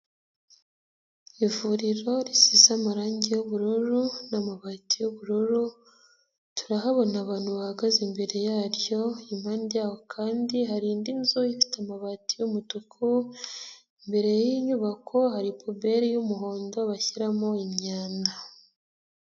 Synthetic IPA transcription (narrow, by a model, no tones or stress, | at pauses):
ivuːɾiɾo̞ɾisisamaɾaːɲɟejoβuɾuɾunamaβatijoβuɾuɾu | tu̥ɾaɦaβo̞naβaːnhuβahaɡazimbe̞ɾe̞jaːɾjo̞imhaːndijaːwo̞kʰaːndihaɾiːndinzujifi̥tamaβatijumutukʰu | imbe̞ɾe̞jiɲuβakʰo̞haɾipʰobe̞ɾijumuɦo̞ːndo̞βaçiɾamoimɲaːnda